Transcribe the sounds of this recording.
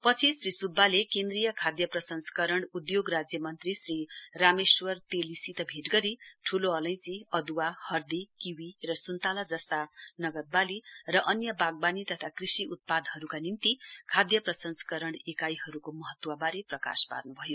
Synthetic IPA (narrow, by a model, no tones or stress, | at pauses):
pʌt͡sʰisrisubːalekend̪rijʌkʰad̪jʌprʌsʌnsʌ̥kʌɾʌɳ̃ud̪joɡrad͡zjʌmʌnt̪risrirameswʌrt̪elisit̪ʌbʱeʈɡʌɾiʈʰuloʌlʌj̃siʌd̪uwahʌrd̪ikiwirʌsunt̪alad͡zʌst̪anʌɡʌt̪̚balirʌʔʌnjʌbaɡ̚banit̪ʌt̪ʰakrisiut̪̚pad̪ɦʌɾukanimt̪ikʰad̪jʌprʌsʌnsʌ̥kʌɾʌɳ̃ɽekajɦʌɾukomʌɦʌt̪ːwabaɾeprʌka̰spa̰rnubʱʌjo